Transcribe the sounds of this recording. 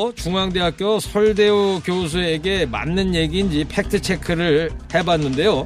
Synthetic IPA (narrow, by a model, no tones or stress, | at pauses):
t͡ɕuŋaŋde̞ɦak̚k͈josʰʌɭde̞okjos̬ʰue̞ɡe̞ma̰nːɯnje̞ɡind͡ʑipʰe̞k̚tʰɯt͡ɕʰe̞kʰɯɾɯɭhe̞banːɯnde̞jo